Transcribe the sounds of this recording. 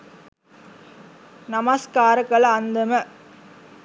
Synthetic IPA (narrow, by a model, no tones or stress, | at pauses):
nɐmaskaːɾɐkɐɭɐnd̪ɐmɐ